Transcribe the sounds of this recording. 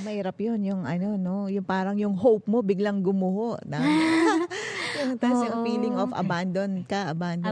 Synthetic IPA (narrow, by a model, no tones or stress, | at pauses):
mɐʔiːɾɐpjonjʊŋɐno̞no̞jʊŋpaːɾɐŋjʊŋɦowp̚mo̞bɪɡlɐŋɡʊmʊhoʔnɐ | unɐŋt̪ɐsjʊŋfiːlɪŋʔofɐ̰band̪on̚kɐʔɐband̪